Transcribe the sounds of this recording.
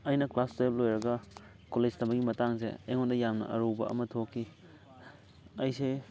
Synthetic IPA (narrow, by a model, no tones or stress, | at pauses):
ɐjnɐklastojp̚lojɾɐɡɐ | koled͡ʒtɐmbɐɡimɐtaŋs̬ḛɐ̰jŋondɐjamnɐ̰ʔɐɾubɐ̰ɐ̰mɐtʰokʰːi | ɐjse